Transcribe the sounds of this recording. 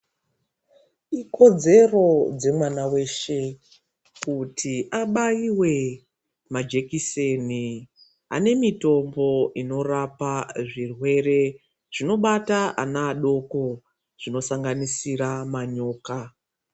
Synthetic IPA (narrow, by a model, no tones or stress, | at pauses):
iko̞d͡ze̞ro̞d͡ze̞mwanawe̞ʃe̞ | kutʰiʔaɓaiwe̞ | mad͡ʒe̞kiseni | a̰ne̞mito̞mbo̞ʔino̞rapaʐirwe̞re̞ | ʐ̥ino̞ɓataʔa̰naːɗo̞ko̞ | ʐino̞saŋɡanisiɾamaɲo̞ːka